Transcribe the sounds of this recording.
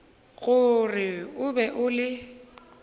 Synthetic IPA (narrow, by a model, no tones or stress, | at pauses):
ɣʊrɪʊbɛʔʊlɪ